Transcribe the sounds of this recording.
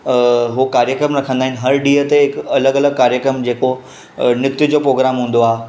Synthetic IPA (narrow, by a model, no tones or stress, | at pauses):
ɦukaːɾjəkɾəmɾɐkʰə̃nd̪aːɦɪn̆ɦɐɾɖiːɦət̪eɪkɐləɡɐləɡ̚kaːɾjəkɾəmd͡ʑeːko | nɪkt̪ɪd͡ʑopɾoːɡɾaːmɦũːnd̪oaːɦe